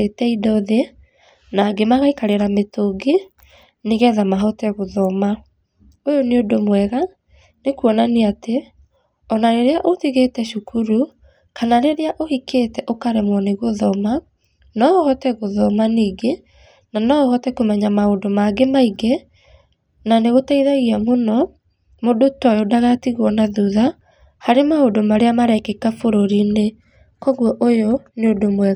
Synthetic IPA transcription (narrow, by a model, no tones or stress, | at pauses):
etɛidɔðe | naɡemaɣaikaɾeɾametoɡe | neɣɛðamaɦɔtɛɣoðɔma | ojoneodomwɛɣa | nekuɔnaneate | ɔnaɾeɾeaʔotiɣetɛʃukʰuɾu | kanaɾeɾeaʔohiketɛʔokaɾemwɔneɣoðɔma | nɔoɣɔtɛɣoðɔmaniːɡe | nanɔohɔtɛkomɛɲamaodomaɡemaiɡɛ | naneɣotaiðaɣiamonɔ | modotɔjodaɣatiɣwɔnaðuða | haɾemaodomaɾeamaɾɛkekafoɾoɾine | kɔɣwɔʔojoneodomwɛ